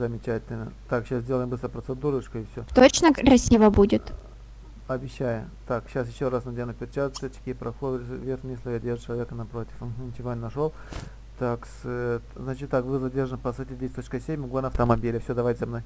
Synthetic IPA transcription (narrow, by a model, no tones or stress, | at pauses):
zəmʲɪt͡ɕætʲɪlʲnət̪akɕaszdʲelˠəjɪmbɨst̪ɾəpɾət̪sɨd̪uɾɨt͡ɕkʊɪfsʲot̪ot͡ɕnərɐsʲivəbudʲɪt̪ | ɐbʲɪɕːajʊ | t̪akɕas̬jɪɕːoɾasnɐd̪ʲenupʲɪrʲt͡ɕat̪sʲət͡ɕʲɪ̥kʲipɾɐxovʲerxʲnʲjeslʲɪjadʲeʐɨt͡ɕɪlˠɐvʲekənɐpɾotʲɪ̥fm̩ɦ̩t͡ʃɪvʲonʲnɐʂolˠ | t̪akst̪znat͡ɕɪt̪ːakvɨzɐdʲerʐənɨpɐsajtʲɪd̪ʲesʲt̪ot͡ɕkəsʲemʲmʲɪɡvanəɐft̪əmɐbʲilʲɪfsʲod̪ɐvajtʲzʲɐmnoj